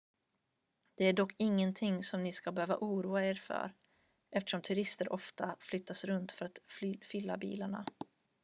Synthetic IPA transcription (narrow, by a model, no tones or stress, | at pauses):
d̪̥ɛæɖɔkːɪŋːənt̪ʰɪŋːsɔmnɪskabɛhøːvaʔuːɾuːaeːɾfœ̰ɾ | ʔɛft̪əʂɔmt̪ʰɵɾɪst̪əɾʔɔft̪ʰaflʏt̪ːasɾɵnt̪fœɾat̪fʏlːa̰bḭːlaɳa̰